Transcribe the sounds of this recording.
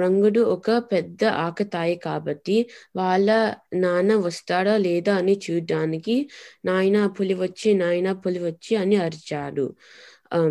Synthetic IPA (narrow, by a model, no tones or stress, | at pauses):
ɾɐŋɡuɽuɔkɐpɛd̪ːɐʔaːkɐt̪aːjikaːbɐʈːiʋaːɭːɐnaːnɐʋɐst̪aːɽaːlɛːd̪aːɐnit͡ʃuːɖaːnikinaːjɐnapuliʋɐt͡ʃːinaːjɐnɐpuliʋɐt͡ʃːiɐniɐɾit͡ʃaːɽṵ